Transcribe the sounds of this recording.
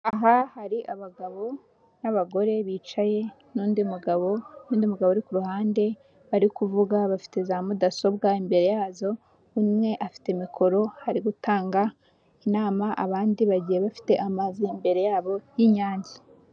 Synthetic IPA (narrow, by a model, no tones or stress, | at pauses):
aɦahaɾiʔaβaɡaβo̞ | naβaɡo̞ɾe̞βiːt͡ʃaje̞ | nuːndimuɡaβo̞nuːndimuɡaβoɾikuɾuhaːnde̞ | βaɾikuvuɡaβafi̥te̞zamudaso̞bɡaimbe̞ɾe̞jaːzo̞ | umŋe̞ʔafi̥te̞mikʰo̞ɾo̞haɾiɡutaːŋɡa | inaːmaʔa̰βaːndiβaɟije̞βafi̥te̞ʔamazimbe̞ɾe̞jaːβo̞jiɲaːɲɟi